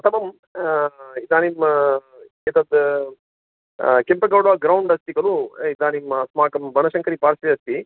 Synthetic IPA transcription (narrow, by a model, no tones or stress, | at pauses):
ɐt̪ɐmɐm | id̪aːnim | id̪ɐd̪ | kempɐɡɐwɽʋaːɡɾɐwɳɖɐst̪iɡɐluid̪aːnimsmaːkɐmbɐnɐʃɐŋkɐɾipaːɾsiɐst̪i